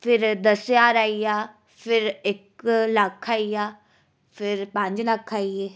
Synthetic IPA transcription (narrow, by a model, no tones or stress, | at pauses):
pʰɪɾd̪əsjaːɾaːiaː | pʰɪɾɪkləkʰaːiaː | pʰɪɾpə̃ɲd͡ʒləkʰaːieː